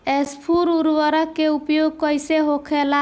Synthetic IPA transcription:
espʰuɾuɾʋɔɾɔkːeupjoɡ̚kɔjseɦokʰela

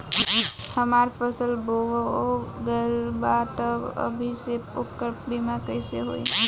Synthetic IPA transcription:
həmaɾpʰəsəlboʋoɡəlbat̪əə̰bʱiseukːəɾpbimakəjseɦo̰j

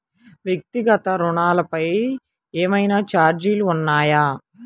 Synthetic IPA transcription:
ʋjek̚t̪iɡɐt̪ɐɾuɳaːlɐpɐj | eːmɐjnaːt͡ʃaːɾd͡ʒiluːnːaːjaː

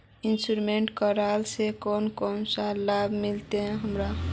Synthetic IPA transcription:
insɾumeɳʈkəɾalsekonkonsalabʱmilt̪ẽɦəmɾa

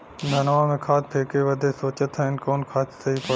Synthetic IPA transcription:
d̪ʱɐnʋãmẽkʰaːt̪̚ʰpʰeːkeʋɐd̪ʱesoːt͡ɕət̪ʰaɦɪnkoːnkʰaːt̪ʰsɐɦipɐ

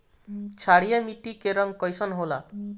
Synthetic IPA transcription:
t͡ʃʰaɽijamiʈikeɾɔŋkɔjsɔnɦola̰

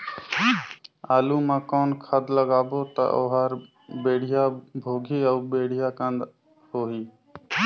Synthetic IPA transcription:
aːluːmãːkɔːnkʰəd̪ləɡaːboːt̪ə̰ʔo̰ːɦaːɾ | beːɽ̤ɪjaːbʱoːɡʱiːəbeːɽɪjaːkə̃nd̪ | hoːɦiː

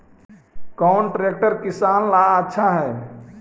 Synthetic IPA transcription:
kaɳʈɾek̚ʈəɾkisanlaətːʃʰaɦɛː

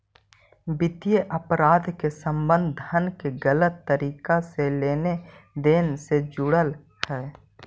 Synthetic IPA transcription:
bɪt̪ijeʔəpɾaːd̪ʱkesə̃mbə̃nd̪ʱənkeɡələt̪ːəɾiːkaseleːned̪eːnsed͡ʒʊɽəl | hɛː

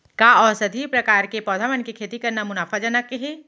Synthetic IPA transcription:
kaɔːsɐd̪ʱipɾɐkaːɾkepɔːd̪ʱaːmənkikʰeːt̪ikɐɾnamʊnaːfad͡ʒənəkːeɦeː

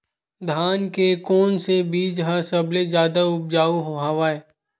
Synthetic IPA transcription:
d̪ʱaːnkekɔːnsebiːd͡ʒɦasɐbled͡ʒjaːd̪aʊp̚d͡ʒaːuɦoɦaʋaːɛː

